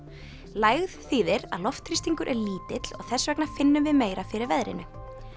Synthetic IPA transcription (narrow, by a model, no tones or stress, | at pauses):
laːjɣðθiːðɪɾa̰ðlɔft̪ʰɾist̪iŋkʏɾʔɛɾliːt̪ɪt̪l̥ɔɣθɛsvɛknḁfɪnːʏmvɪðmeːjɾafɪɾɪɾvɛðɾɪ̰nʏ